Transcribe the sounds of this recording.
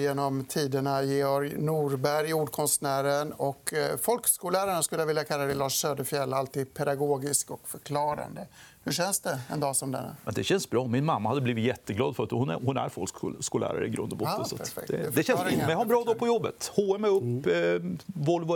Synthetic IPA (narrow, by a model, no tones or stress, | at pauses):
jeːnɔmt̪ʰiːd̪əɳajeɔɾnuːɾbæɾjuːɖkʰɔnst̪næːɾənɔkfɔlkskuːlæːɾaɳaskɵlːəjavɪljakʰalːad̪ɛjlɑːʂːøːd̪əfjɛlːalt̪iːd̪̚pʰɛd̪aɡoːɡɪskɔkfœɾkʰlɑːɾa̰nd̪əhɵɕɛnsd̪ɛɛ̰nd̪ɑːsɔmd̪ɛ̰nːa̰mɛnd̪ɛɕɛnsbɾɑːmɪnmamːahad̪ːəbliːvɪt̪jɛt̪ːəɡlɑ̰ːd̪fœɾat̪hʊn̰hʊnæ̰ɾfɔlkːskuːlæ̰ːɾa̰ɾəɪɡɾɵ̰nd̪mbɔ̰sɔtpʰæfɛ̰kd̪ɛd̪ɛɕɛnɛhaɾbɾɑːd̪ɔpʰɔjɔbːə̰t̪hoːɛmɛɵpː | vɔlv